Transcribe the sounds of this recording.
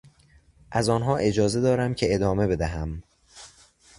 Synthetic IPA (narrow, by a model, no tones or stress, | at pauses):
ʔæzɒːnɦɒːʔe̞d͡ʒɒːze̞d̪ɒːɾæmcʰe̞ed̪ɒːme̞be̞d̪æɦæm